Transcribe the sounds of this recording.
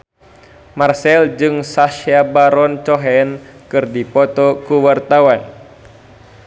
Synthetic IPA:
marsɛld͡ʒɨŋsaʃabaɾɔnt͡ʃɔɦɛnkɨrdipɔt̪ɔkuwart̪awan

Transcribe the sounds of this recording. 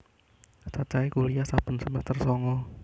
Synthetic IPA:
sat͡ʃaikulijasab̥ə̤nsəmɛst̪ərsɔŋɔ

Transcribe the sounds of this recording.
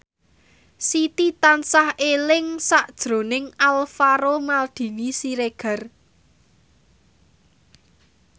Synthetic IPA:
sit̪it̪ansahelɪŋsaʔd̥ʒ̥ɾo̤nɪŋalfaɾomald̪̥i̤nisiɾeɡ̥ə̤r

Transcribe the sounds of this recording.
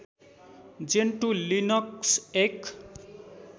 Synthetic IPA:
d͡zeɳʈulinʌksek

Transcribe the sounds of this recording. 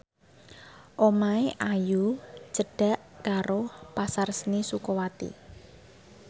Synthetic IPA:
ʔomaeʔajut͡ʃəɖ̥a̤ʔkaɾopasarsnisukowat̪ḭ

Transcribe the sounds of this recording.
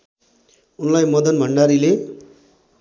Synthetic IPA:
unlajmʌd̪ʌnbʱʌɳɖaɾile

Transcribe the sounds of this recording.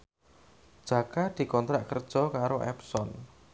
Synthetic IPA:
d̥ʒ̥a̤kad̪̥i̤kɔnt̪ɾaʔkərd̥ʒ̥ɔ̤kaɾoʔɛ̰psɔn

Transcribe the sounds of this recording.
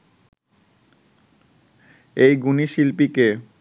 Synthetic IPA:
ejɡuniʃilpike

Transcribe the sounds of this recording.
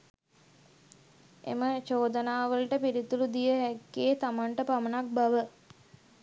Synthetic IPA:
ḛmət͡ʃoːd̪ənaːʋəlʈəpiɾit̪ulud̪ijəɦækːeːt̪amaɳʈəpamənak̚baʋə

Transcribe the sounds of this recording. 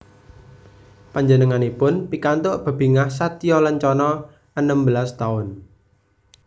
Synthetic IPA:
paɲd͡ʒənəŋanipʊnpikant̪ʊʔb̥ə̤b̥i̤ŋahsat̪iɔləɲt͡ʃɔnɔ | ənəmbəlast̪aʊn

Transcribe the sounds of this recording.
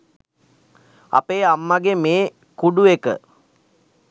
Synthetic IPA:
a̰peːamːaɡemeː | kuɖuekə̰

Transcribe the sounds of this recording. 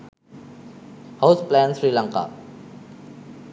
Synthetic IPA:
hosplɛnθʰɹiːlaŋka̰

